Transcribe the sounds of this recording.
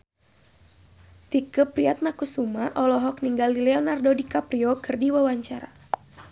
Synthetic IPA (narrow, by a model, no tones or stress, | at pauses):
t̪ikəpɾiat̪̚nakusumaʔɔlɔɦɔkniŋɡalilɛɔnardodikapɾiɔkɨrdiwawaɲt͡ʃaɾa